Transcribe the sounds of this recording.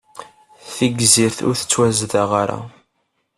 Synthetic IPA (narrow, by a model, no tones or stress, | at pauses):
θiɡziɾθʊ̰ɾθə̥t͡sːwæzðaʁaɾa̰